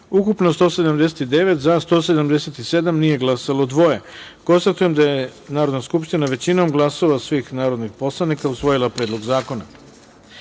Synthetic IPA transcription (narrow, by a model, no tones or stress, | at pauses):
ukupnost̪o̞se̞d̪amd̪eset̪id̪e̞ʋe̞t̪zast̪o̞se̞d̪amd̪eset̪ise̞d̪amnije̞ɡlˠasalod̪ʋo̞je̞ko̞nst̪at̪uje̞md̪ajenaːɾo̞d̪naskupʃt̪inaʋe̞t͡ɕinomɡlˠaso̞ʋasʋiːxnaːɾo̞d̪nixpo̞slˠanikausʋo̞jilˠapɾed̪lˠo̞ɡzaːko̞na̰